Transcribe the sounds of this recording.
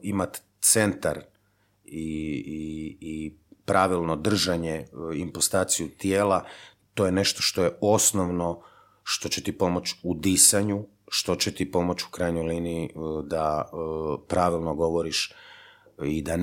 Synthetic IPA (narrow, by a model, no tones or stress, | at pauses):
imat̪ | t̪se̞nt̪aɾ | iiː | pɾʔaʋilˠno̞d̪r̩ʒaɲeimpost̪aːt̪sijut̪jeːla | t̪o̞jene̞ʃt̪o̞ʃt̪o̞jeo̞snoʋno̞ | ʃt̪o̞t͡ɕe̞t̪ipo̞mot͡ɕud̪isaɲu | ʃt̪o̞t͡ɕet̪ipo̞mo̞t͡ɕu̥kɾajɲojliːniid̪a | pɾaʋilˠnoɡo̞ʋoɾiʃ | id̪an